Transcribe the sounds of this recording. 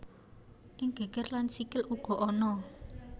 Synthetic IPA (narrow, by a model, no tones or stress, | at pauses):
ʔɪŋɡ̥e̤kɪrlansikɪluɡ̥ɔ̤ʔɔnɔ